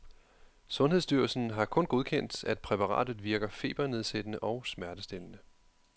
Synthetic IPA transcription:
sɔ̽nɦeðˠsd̥yɐlsn̩ɦɑ̈kʰɔ̽nɡ̥oð̞ˠkʰen̰d̥æd̥̚pʰʁɛpʰɑ̈ʁɑ̰̈ːd̥ð̩ˠʋiɐɡ̥ɐfe̝̰ːb̥ɐne̝ð̞ˠsed̥ənəʔɒ̽ʊsmæɐd̥əsd̥e̝lənə

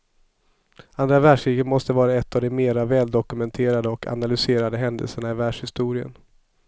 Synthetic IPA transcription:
and̪ɾavæʂiːɡət̪mɔst̪əvɑːɾaɛt̪ːavd̪ɔmmeːɾavɛːld̪ɔkɵmɛnt̪ʰeːɾad̪əɔkʰa̰nalʏseːɾad̪əɦɛnd̪ə̰lsəɳaɪvæːʂhɪst̪uːɾɪə̰n

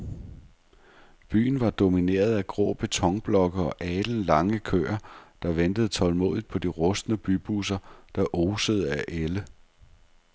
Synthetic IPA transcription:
b̥y̰ːn̩ʋɑ̈d̥o̝mine̝̰ːɐð̞̩ˠæɡ̥ʁɔ̰ːb̥e̝t͡sʰɒ̽ŋb̥lɒ̽ɡ̥əɒ̽ʔɛːd̥l̩lɑ̈ŋəkʰø̰ɐd̥ɑ̈ʋend̥əð̞̩ˠt͡sʰɒ̽lmo̰ːðˠid̥̚pʰɒ̽d̥iʁɔ̽sd̥nəb̥yb̥usɐd̥ɑ̈ʔoːsəð̞ˠəæʔelə

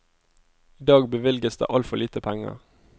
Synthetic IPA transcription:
iːd̪ɑːɡbəʋɪlɡəsd̪ḛːʔɑlfɔliːt̪əpʰæŋə̰ʁ

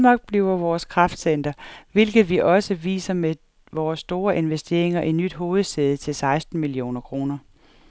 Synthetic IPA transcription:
mɑ̈ɡ̥̚b̥liʊɐʋɒːskʰʁɑfd̥sen̰d̥ɐʋe̝lɡ̥ð̩ˠʋiʔɒ̽səʋḭːsɐme | ʋɒːsːd̥o̝ːɐʔe̝nʋesd̥e̝̰ɐeŋɐʔi̥nyd̥ɦo̝ːð̞̩ˠsd̥eð̩ˠət͡sʰe̝lsɑ̈ɪsd̥n̩milio̝̰ːnɐkʰʁo̝ːnɐ

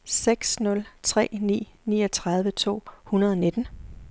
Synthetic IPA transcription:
seɡ̥snɔ̽lt͡sʰʁɛ̰ːnḭːnḭːɒt͡sʰʁɑ̈ð̞ˠʋət͡sʰo̝̰ːhunɐð̞ˠɒne̝d̥n̩

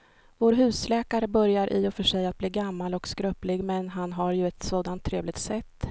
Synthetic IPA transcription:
voːɾɦʉ̟ːslɛːkaɾəbœɾjaɾʔɪ̰ɔfœʂɛjat̪̚bliːɡamːalɔkskɾœplɪɡmɛnɦanɦaɾjɵɛt̪soːd̪ant̪ʰːɾeːvlɪɡt̪sɛt̪ː

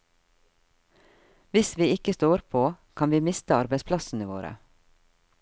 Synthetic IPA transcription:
ʋɪsʋiːɪkəst̪oːɾpʰoːkʰɑnʋiːmɪst̪əɑɾbɛɪspʰlɑsn̩əʋo̰ːɾə̰

